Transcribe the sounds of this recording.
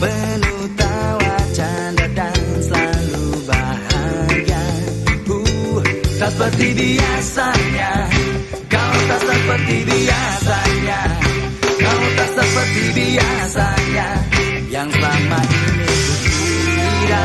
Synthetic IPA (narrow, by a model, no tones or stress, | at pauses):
bənut̪awat͡ʃandadaŋsəlalubaɦaɡaku | t̪aspərt̪ibiasaɲa | kawt̪asəpərt̪ibiasaɲa | kawut̪asəpərt̪ibiasaɲa | jaŋsamainit̪u | a